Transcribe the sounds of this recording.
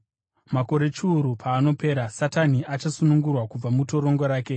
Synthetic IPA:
mako̞ɾe̞t͡ʃuːɾupʰaːno̞pe̞ːɾasataniat͡ʃasunuŋɡurwakub͡vamuto̞ɾo̞ŋɡo̞ɾaːke̞

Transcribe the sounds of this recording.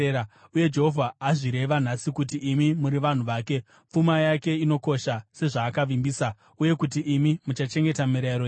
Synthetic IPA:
auje̞d͡ʒeɦovʱaːʐiɾe̞ʋan̤asikutiimimuɾiʋan̤uʋaːke̞ | p͡fumajake̞ino̞ko̞ʃase̞ʐaːkaʋimbiːsa | uje̞kut̬iʔimimut͡ʃat͡ʃe̞ŋɡe̞tamiɾaɾo

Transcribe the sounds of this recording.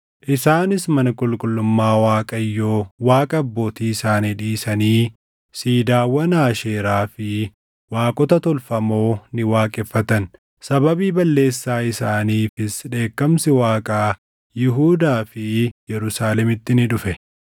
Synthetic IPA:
ʔɪsaːnɪsmɐnɐkʼʊlkʼʊlːʊmːaːwaːkʼɐjːoːwaːkʼɐːbːo̞ːt̪iːɪsaːnɪᶑiːsɐniː | siːd̪aːwɐnaːʃeːɾaːfɪ | waːkʼɔt̪ɐt̪ɔlfɐmo̞ːnɪwaːkʼɛfːɐt̪ɐn | sɐbɐbiːbɐlːe̞ːsːaːɪsaːniːfɪsᶑe̞ːkːɐmsɪwaːkʼaː | jɪɦuːd̪aːfɪjɛɾʊsaːlɛmɪt̪ːɪnɪᶑʊfɛ

